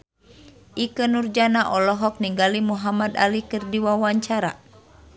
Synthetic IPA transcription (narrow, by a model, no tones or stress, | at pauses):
ʔikənurd͡ʒanaʔɔlɔɦɔk̚niŋɡalimuɦamad̪a̰likɨrdiwawaɲt͡ʃaɾa̰